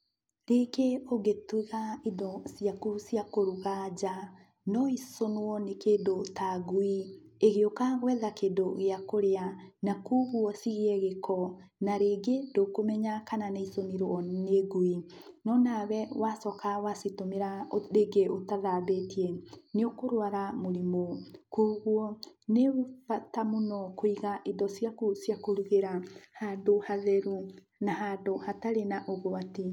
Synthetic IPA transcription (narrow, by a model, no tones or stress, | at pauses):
ɾekeoɡetuɣaidɔsijakusjakoɾuɣad͡ʒa | nɔisonoɔnekedotaɡuieɣeokaɣwɛðakedoɣeakoɾeanakuβuɔsiɣeɛɣekʰɔ | naɾeɡedokomɛɲakananeisoniɾwɔneɡui | nɔnaβɛwasɔkawasitomeɾaoɾeɡeotaðabetiɛneokoɾwaɾamoɾimokoɣwɔ | nefatamonɔkoiɣaʔedɔsjakosiakoɾuɣeɾahadohaðɛɾu | naɦadohataɾenaʔoɣowati